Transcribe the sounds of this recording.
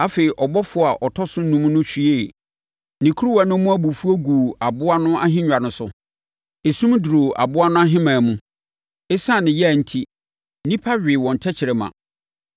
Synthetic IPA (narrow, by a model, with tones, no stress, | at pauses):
a˦fe˨i˨ʔɔ˨bɔ˦fʊ˨˦˨a˨ʔɔ˨tʰɔ˦sʊ˦nũ˦m˦nʊ̃˦t͡ɕᶣi˨e˦˨ | nĩ˨kʰu˦ɾu˦wa˨nʊ̃˦mũ˦æ˦bu˨fu˦o˦ɡu˨a˨bʊ˦a˦nʊ̃˦ʔa˦ɦɪ̃˦ɲᶣ˨a˨nʊ̃˦sʊ̰˨ | e˨sũ˦m˦du˨ɾo˨ʔa̰˨bʊ˦a˦nʊ̃˦a˦ɦɪ̃˦mãː˨mũ˦ | e˦sã˦˨nɪ̃˨jɛ˦æ˨n̩˦tʰi˦ | nĩ˦pʰa˦ɥᶣɪ˨wɔ̃˨n̩˨tʰɛ˦t͡ɕʰɪ˨ɾɛ˨mã̰˨